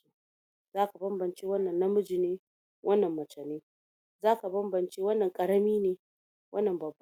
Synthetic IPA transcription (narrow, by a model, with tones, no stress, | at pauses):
zaː˦ka˨bɐ˦mbɐ˨nt͡ʃeː˦wɐ˦nːɐ˨nːɐ˦mʊ˦d͡ʒɪ˨neː˦ | wʔɐ˦nːɐ˨mːɐ˨t͡ʃɐ˨neː˦ | zaː˦ka˨bɐ˦mbɐ˨nt͡ʃeː˦wɐ˦nːɐ˨ŋkʼɐ˨ɽɐ˦miː˦neː˨ | wʔɐ˦nːɐ˨mbɐ˨bː